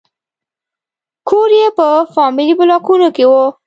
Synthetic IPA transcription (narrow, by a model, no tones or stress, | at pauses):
kʰoɾjepəfɑmilibʊlɑkunokewo